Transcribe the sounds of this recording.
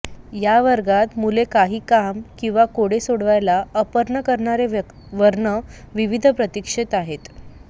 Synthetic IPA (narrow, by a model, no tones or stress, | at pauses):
jaʋəɾɡat̪mulekaɦiːkamkĩw̃ʋakoɽesoɽʋajlaəpəɾɳəkəɾɳaɾe | ʋəɾɳə | ʋiʋid̪ʱəpɾət̪ikʂet̪aɦet̪